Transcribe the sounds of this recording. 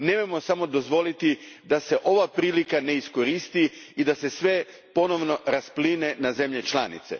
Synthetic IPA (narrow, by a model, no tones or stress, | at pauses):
nemojmo̞samo̞d̪o̞zʋo̞lit̪id̪ase̞ʔo̞ʋapɾiːlikane̞isko̞ɾist̪iid̪ase̞sʋe̞ | po̞no̞ʋno̞ɾaspline̞naze̞mʎe̞t͡ʃla̰nḭt̪se̞̰